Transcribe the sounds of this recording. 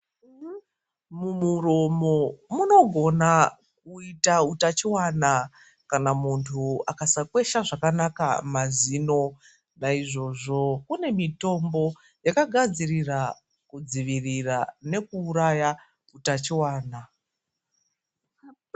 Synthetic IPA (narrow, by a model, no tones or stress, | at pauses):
mumuro̞mo̞muno̞ɡʱo̞na | k̚uitautat͡ʃiwana | kanamuntʰuakasakwe̞ʃaʐakanaka̰mazino̞ | naiʐo̞ʐo̞kune̞mito̞mbo̞ | jakaɡʱad͡zirira | kud͡ziʋirirane̞kuːɾaja | utat͡ʃiwaːna